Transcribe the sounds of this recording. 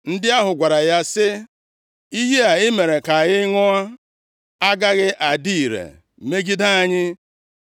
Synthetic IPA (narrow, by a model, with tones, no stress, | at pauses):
n̩˦dɪ˦a˦ɦʊ˨ɡʷa˨ɾa˨ja˦sɪ˦ | i˦ɦi˦a˨ɪ˦me˨ɾe˨ka˨a˨ɣɪ˦ŋɔ˦a˦ | a˦ɡa˦ɣɪ˦ʔa˨di˦i˨ɾḛ˨ | me˦ɡi˦da˦a˦ɲɪ˦